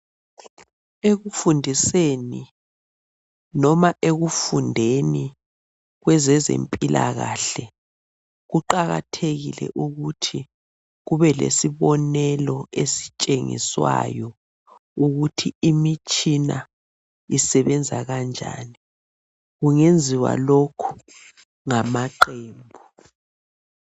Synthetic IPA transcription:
eɣufundʱiseni | nɔmaʔeɣufundʱeni | ɣwɛzɛzḛmpʼilʔa̰ɣaɬɛ | ɣuǃaɣa̰tʰeɣilɛ̰ʔuɣutʰi | ɣuβɛlḛsiβɔnɛlɔesit͡ʃʼeŋḭswa̰jɔ | uɣutʰiimit͡ʃʼina | isɛβɛnd͡zʱaɣand͡ʒʱa̰ːni | ɣuŋend͡zʱiwa̰lokʰu̥ | ŋamaǃeːmbʱu

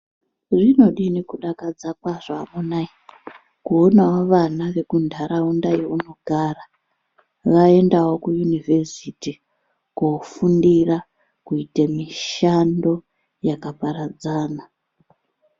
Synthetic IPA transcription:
ʐino̞ɗinekuɗakad͡zakwaʐaːmunai | kuonawoʋanaʋe̞kundʱaɾaundajeuno̞ɡʱaːra | ʋae̞ndawo̞kujunivʱesiti | kofundira | kuitemiʃando̞ | jakapaɾad͡zaːna

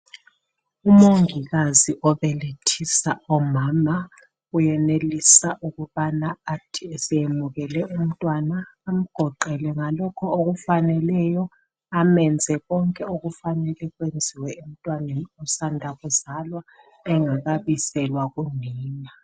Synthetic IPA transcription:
umoŋiɣaziʔɔβɛletʰisaɔmama | ujɛnelisaʔuɣuβanaːtʰiɛsɛjemuɣɛlɛum̩tʼwanaːm̩ɡ̥ʱɔǃɛlɛŋalɔkʰɔoɣufanɛlɛjɔ | amɛnd͡zʱɛɣɔŋkʼɛoɣufanɛlɛɣwend͡zʱiwɛum̩tʼwanɛusandʱaɣuzalwa | ɛŋaɣaβisɛlwaɣuniːna

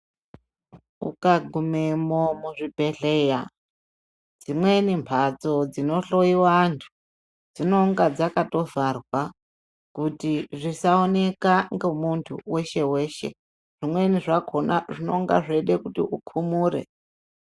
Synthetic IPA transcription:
ṵkaɡʱumemomuʐibʱe̞ɮe̞ːja | d͡zimwe̞nimpʰat͡so̞d͡zino̞ɬo̞iwantʰu̥ | d͡zino̞ŋɡad͡zakato̞varwa | kutiʐisaone̞kaŋɡemuntʰṵwe̞ʃe̞we̞ːʃe̞̰ | ʐ̥imwe̞niʐakʰonaʐino̞̰ŋɡa̰ʐeɗekutiukʰumuːɾḛ

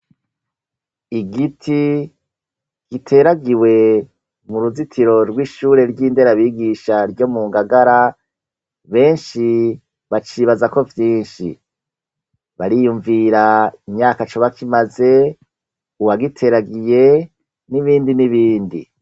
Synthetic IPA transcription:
iɡitʰi | ɡ̥itʰe̞ɾaɡiwe̞ | muɾuzitʰiɾo̞ɾɡwiːʃuːɾe̞ɾɟiːnde̞ɾaβiɡiʃaɾɟo̞muːŋɡaɡaɾa | βe̞ːnʃi | βat͡ʃiβazako̞vjiːnʃḭ | βaɾijuɱviɾaimɲaːkat͡ʃoβakʰimaze̞ | uwaɡitʰe̞ɾaɡije̞ | niβiːndiniβiːndḭ

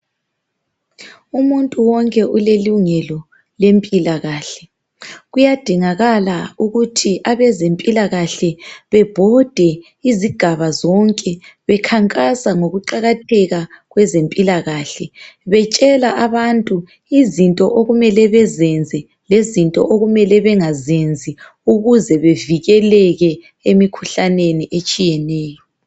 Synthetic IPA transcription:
umuntʼuwɔŋkʼɛʔuleluŋɛlɔ | lempʼilaɣaːɬɛ | ɣujad̥ʱiŋaɣalauɣutʰiʔaβɛzempʼilaɣaɬɛβɛb̥ʱɔd̥ʱɛ | iziɡ̥ʱaβazɔŋkʼɛβɛkʰaŋkʼasaŋoɣuǃaɣatʰɛɣaɣwɛzempʼilaɣaːɬɛβɛt͡ʃʼɛlaʔaβantʼu | izintʼɔ̰ʔoɣumɛlɛβɛzɛnd͡zʱɛ | lezintʼɔ̰ʔoɣumɛlɛβɛŋazend͡zʱi | uɣuzɛβeviɣɛlɛɣɛ | emikʰu̥ɬaneniʔet͡ʃʼijɛnɛːjɔ

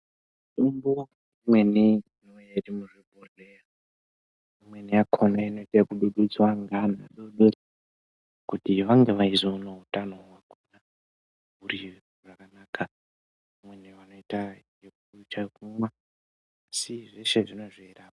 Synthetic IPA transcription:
tumbo | imwe̞niinojerimuʐebʱorea | imwe̞nijakʰonaino̞itakuɗuɗud͡zwaŋɡanaɗoɓeri | kutiʋaŋɡe̞ʋaizounoɦutano̞ɦwakuna | ɦuri | ʐakanaːkʰa | mwe̞niʋano̞itajekut͡ʃakumwaː | siʐe̞ʃe̞ʐino̞ʐieraːo

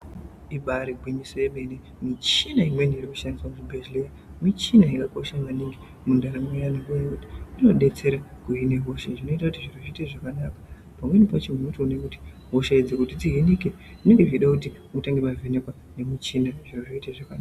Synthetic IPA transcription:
iɓaɾiɡʱwiɲisojeɓene | mit͡ʃinaimwenirikuʃandiswamut͡ʃibʱeʒleja | mit͡ʃinaikako̞ʃamaniŋɡe | mundʱaɾamwejanekujakuti̥ino̞ɗe̞t͡se̞ɾakuine̞ɦo̞ʃeʐino̞itakutiʐiroʐiteʐakanakḁ | pamwe̞nipat͡ʃim̤wemutonekuti̥ | ɦoʃeid͡zekutid͡ziɦinike | ʐine̞ŋɡeʐiiɗakutimutaŋɡeɓavʱenekwa | ne̞mit͡ʃinaʐiroʐiiteʐakanaːa

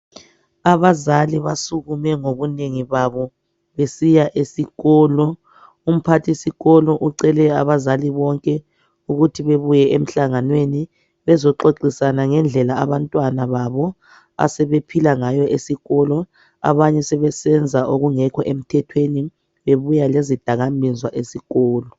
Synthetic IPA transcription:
aβazaliβasuɣumɛŋoβuneŋiβaβɔ | βesijaʔesiɣɔːlɔ | um̩pʰatʰisiɣɔlɔʔuǀɛlɛaβazaliβɔŋkʼɛ | uɣutʰiβeβujɛʔem̩ɬaŋanweni | βɛzɔǃoǃisanaŋɛnd͡ɮʱɛlaaβantʼwanaβaβɔ | a̰sɛβepʰilaŋajɔʔesiɣɔlɔ | a̰βaɲɛsɛβɛsɛnd͡zʱaʔoɣuŋɛkʰɔʔem̩tʰɛtʰweni | βeβujalezid̥ʱaɣambʱinzwaʔesiɣɔːlɔ

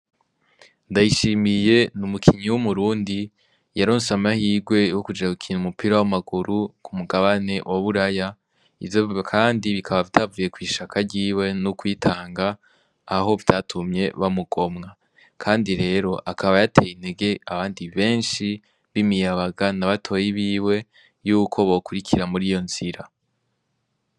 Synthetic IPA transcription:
ndajiʃimije̞numukʰiɲiwumuɾuːndi | jaɾoːnsamahiːɡwe̞jokud͡ʒaukʰiːnumupiɾawamaɡuɾukʰumuɡaβane̞wʔaβuɾaja | ḭvjokʰaːndiβikʰaβavdaːvuje̞kwiːʃakʰaɾɟiːwe̞nukwiːtʰaːŋɡaː | ɦo̞vdatʰumɲe̞βamuɡ̥o̞mŋa | kʰaːndiɾe̞ːɾo̞ʔakʰaβajatʰe̞jine̞ɡe̞aβaːndiβe̞ːnʃi | βimijaβaɡanaβatʰo̞jiβiːwe̞ | juːkʰo̞βokuɾikʰiɾamuɾijo̞nz̥iɾa

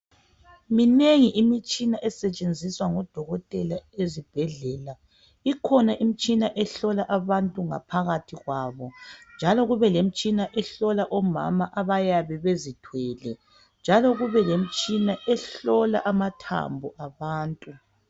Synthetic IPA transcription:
mineŋiʔimit͡ʃʼinaʔɛsɛt͡ʃʼend͡zʱiswaŋɔd̥ʱɔɣɔtʼɛlaezib̥ʱɛɮɛːla | ikʰɔnaʔim̩t͡ʃʼinaʔɛɬɔlaʔaβantʼuŋa̰pʰaɣatʰiɣwaːβɔnd͡ʒʱalɔɣuβɛlem̩t͡ʃʼinaʔɛɬɔlaʔɔma̰maʔaβajaβɛβezitʰwɛːlɛ | nd͡ʒʱalɔɣuβɛlem̩t͡ʃʼinaʔɛɬɔla̰ʔamatʰa̰mbʱuʔaβaːntʼu

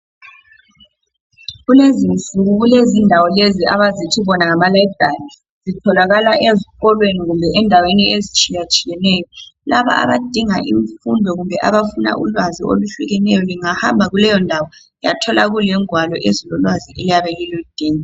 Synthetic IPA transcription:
ɣulezinsuɣuɣulezindʱawɔlezia̰βazitʰiβɔnaŋamalajd̥ʱari | zitʰɔlaɣalaʔeziɣɔlweniɣumbʱɛʔɛndʱaweniezit͡ʃʼijat͡ʃʼijɛnɛjɔlaβa̰ʔa̰βad̥ʱiŋaʔiɱfundʱɔɣumbʱɛʔaβafuna̰ʔulwazio̰luɬuɣɛnɛjɔliŋahambʱaɣulɛjɔndʱawɔ | ja̰tʰɔlaɣulɛŋwalɔʔezilɔlwaziʔɛlijaβɛlilud̥ʱeːŋi

